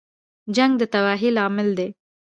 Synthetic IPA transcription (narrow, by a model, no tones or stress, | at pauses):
d͡ʒaŋɡ̚d̪ət̪awɑɦilɑmɪld̪e